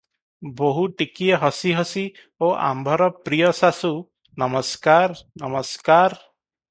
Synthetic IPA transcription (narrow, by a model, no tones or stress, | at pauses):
boɦuʈikieɦɔsiɦɔsi | oʔa̰mbʱɔɾɔpɾijɔsasu | nɔmɔskaɾnɔmɔskaɾ